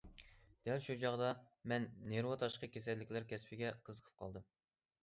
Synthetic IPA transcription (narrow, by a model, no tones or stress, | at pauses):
d̪̥ɛlʃut͡ʃʰɑʁd̪ɑ | mɛnːeɾwɑt̪ʰɑʃqəkʲʰes̬ɛlːɪkʲlæɾkʲʰɛspʰɪɡʲɛqʰəzəqʰəp̚qʰɑ̰lˠd̪ɨm